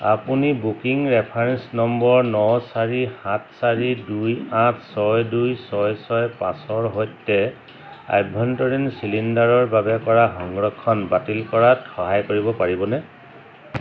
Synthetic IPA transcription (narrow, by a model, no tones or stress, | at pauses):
a̰punibukiŋɹɛpʰaɹɛnsnɔmbɔɹnɔsaɹihãt̚ʰsaɹidujãtʰsɔjdujsɔjsɔjpasɔɹɦojtːɛ | a̰jbʱɔntɔɹinsilindaɹɔɹbabɛkɔɹaxɔŋɹɔkʰːɔnbatilkɔɹatxɔɦajkoɹibɔpaɹibɔnɛ